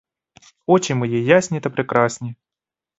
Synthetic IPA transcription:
ot͡ɕɪnʲmɨjejːasʲnʲɪt̪əpɾʲɪkɾasʲnʲɪ

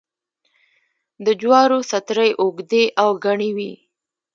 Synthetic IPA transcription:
d̪əd͡ʒwɑɾosat̪ɾəjʔoɡd̪eʔawɡaɳiwi

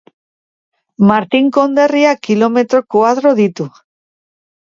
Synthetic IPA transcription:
maɾt̪iŋkond̪eriakilomet̪ɾokwaðɾoðit̪u

